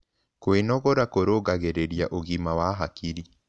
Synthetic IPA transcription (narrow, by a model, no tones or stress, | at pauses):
koenɔɣɔɾakoɾoːɣaɣeɾeɾjaʔoɣimawaɦakiɾi